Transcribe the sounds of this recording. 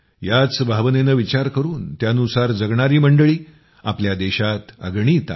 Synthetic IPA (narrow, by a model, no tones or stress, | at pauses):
jat͡sbʱaʋənenəːʋit͡ɕaɾkəɾuːnt̪janusaɾd͡zəɡɳaɾiːməɳɖəɭiː | apljad̪eɕat̪ə̰ɡɳiːt̪a̰